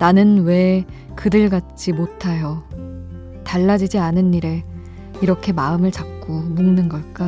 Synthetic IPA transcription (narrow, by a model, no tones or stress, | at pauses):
nanɯnwe̞ | kɯdɯɭɡat̚t͡ɕ͈imotʰajo | taɭːad͡ʑid͡ʑianɯnːiɾe̞ | iɾʌkʰe̞maɯmɯɭt͡ɕak̚k͈omuŋnɯnɡʌɭk͈a